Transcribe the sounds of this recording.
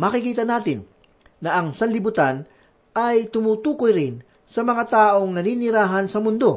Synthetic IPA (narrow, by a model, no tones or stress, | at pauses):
mɐkɪkiːt̪ɐnaːt̪ɪnː | ɐʔɐŋsɐnlɪbʊt̪an | ʔɐjt̪ʊmuːt̪uːkojɾɪn | sɐmɐŋat̪aːʔo̞ŋnɐniːnɪɾaːɦɐnsɐmʊnd̪o̞